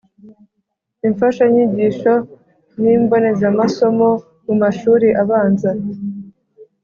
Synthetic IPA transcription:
iɱfaʃaɲiɟiːʃo̞ | niːmbo̞ne̞zamaso̞mo̞ | mumaʃuːɾiʔaβaːnza

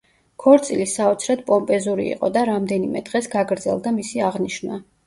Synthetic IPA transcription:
kʰɔɾt̪sʼilisaɔt̪sʰɾɛd̪pʼɔmpʼɛzuɾḭḭqʼɔ̰d̪aɾamd̪ɛnimɛ̰d̪ʁɛsɡaɡɾd̪zɛ̰lˠd̪amisiaʁniʃnwa̰

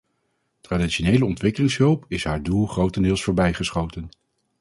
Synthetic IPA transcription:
traːditʃonejləɔntʋɪkəlɪŋsɦɵlˠpɪsɦaːɹdulˠχrowtɛndɪːlˠsfʊːɹbɛjχəsχowtən

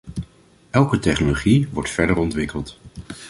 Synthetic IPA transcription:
ɛlˠkətɛχnoloχiʋɔɹtfɛɹdəɹɔntʋɪkəlˠt

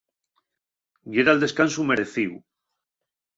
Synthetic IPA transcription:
jeɾald̪e̞skansumeɾeθiw

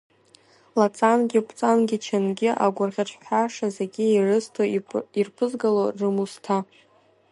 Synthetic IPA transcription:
lat͡sʼanɡʲɪpʰʼt͡sʼanɡʲɪt͡ʃʰanɡʲɪʔa̰ɡʷʊrʁʲaʈ͡ʂʷʰʼħʷaʂazeɡʲɪirɨstʰoirpʰɨzɡalorɨmustʰa

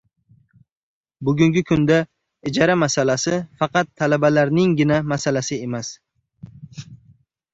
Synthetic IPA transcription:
bʊɡʲʊŋɡʲɪkʰʊnd̪a | ɪd͡ʒɒɾamasalasɪfɑqɑt̪ʰːalabalaɾnɪŋɡʲɪnamasalasɪe̞mas

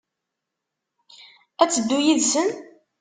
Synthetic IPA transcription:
æt͡sːəd̪ːujiðsən

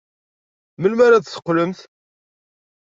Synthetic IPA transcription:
məlmaɾat̪sə̥qːləmθ

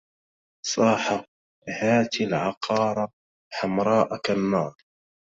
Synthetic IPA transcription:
sˤɑːħa | haːt̪lʕɑqʰɑːɾˤɑ | ħamɾˤɑːʔakanːɑːɾˤ

